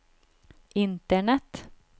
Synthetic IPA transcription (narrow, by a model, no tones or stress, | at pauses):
ʔɪnt̪əɳɛt̪